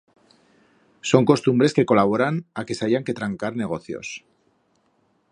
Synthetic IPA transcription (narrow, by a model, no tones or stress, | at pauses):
so̞ŋko̞st̪umbɾe̞ske̞ko̞laβ̞o̞ɾanake̞saʝaŋke̞t̪ɾaŋkaɾne̞ɣo̞θjo̞̰s